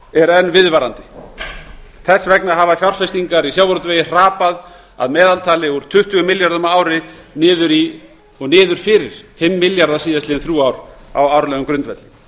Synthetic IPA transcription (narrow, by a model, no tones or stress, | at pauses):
ɛɾɛnvɪðvaːɾant̪ɪ̥ | θɛsːvɛknaɦaːvafjar̥fɛst̪iŋkaɾisjaːwvɔɾʏt̪veːjɪr̥aːpað | a̰ðmɛːðalt̪ʰaːlɪvɔɾʏ̥t̪ʰʏht̪ʰʏɣʏmɪljaɾðœmaaːwɾɪ | nɪːðʏɾi | ɔɣnɪːðʏɾ̥fɪːɾɪɾ̥fɪmːɪljaɾðasiːðast̪ɪːɪnθɾjuːawɾ̥a̰wawɾlɛːɣʏmkɾʏnt̪vɛt̪lɪ